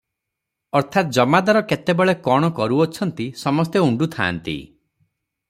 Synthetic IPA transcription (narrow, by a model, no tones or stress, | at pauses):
ɔɾt̪ʰat̪̚d͡ʒɔmad̪aɾɔket̪ebeɭekɔɽ̃ɔkɔɾuɔt͡ʃʰɔnt̪isɔmɔst̪euɳɖut̪ʰa̰ːnt̪ḭ